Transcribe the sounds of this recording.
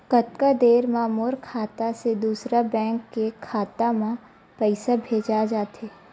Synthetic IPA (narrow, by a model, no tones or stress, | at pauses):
kət̪kad̪eːɾmaːmoːɾkʰaːt̪ased̪uːsɾabɛ̃ːŋkːekʰaːt̪amã | pɛɪsabʱeːd͡ʒad͡ʒaːt̪eː